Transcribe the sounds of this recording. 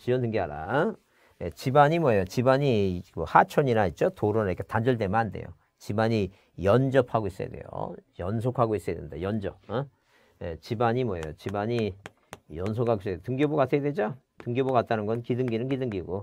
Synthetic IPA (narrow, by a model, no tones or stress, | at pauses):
t͡ɕiʌntɯŋɡiaɾa̰ | jet͡ɕibaɲimwʌjot͡ɕibaɲikohat͡ɕʰʌɲinait̚t͡ɕ͈otoɾonɾkʰetand͡ʑuɭt̬emanande̞̰jo̰ | t͡ɕibaɲi | jʌnd͡ʑʌpʰaɡois͈ʌja̰dwe̞̰jo̰jʌns̬ʰokʰaɡois͈ʌjadḛnda̰jʌnd͡ʑʌp̚ | ḛt͡ɕibaɲimwʌjo̰t͡ɕibaɲi | jʌns̬ʰokʰaɡos͈ʌetɯŋɡjobokatʰeedwe̞d͡ʑo | tɯŋɡjobokat̚t͈anɯnɡʌnkidɯŋɡinɯnkidɯŋɡiɡo